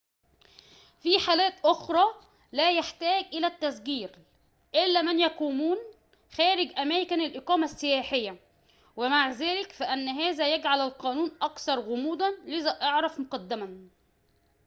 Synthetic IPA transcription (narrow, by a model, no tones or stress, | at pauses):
fiːħaːlæːt̪ʔoxɾˤɑː | læːjaħt̪æːɡʔɪlæt̪ːæzɡiːɾ | ʔɪlːæːmænjæquːmuːn | xæːɾɪɡʔæmæːkænɪlʔeqɑːmæsːɪjæːħɪjːæ | wɪmaʕzæːlɪkfæʔænːɦæːzæjæɡʕalælqɑːnuːnʔɑkθɑɾˤɣʊmuːd̪ænlɪzæʔɑʕɾɑfmoqɑd̪ːæmæn